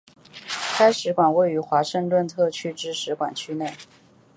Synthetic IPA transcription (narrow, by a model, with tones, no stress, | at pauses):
kʰa˥ɪʂɻ̩˧˥kwa˨˩nwe˥˩ɪy˧˥xwa˧˥ʂə˥˧ŋt̪wə˥˧nt̪ʰɤ˥˩t͡ɕʰy˥˧ʈ͡ʂɻ̩˥ʂɻ̩˧˥kwa̰˨˩nt͡ɕʰy˥ne˥˩ɪ